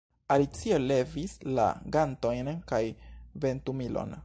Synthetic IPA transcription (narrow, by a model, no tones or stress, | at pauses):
alit͡sio̞le̞visla̰ɡanto̞jnkajve̞ntumilo̞̰n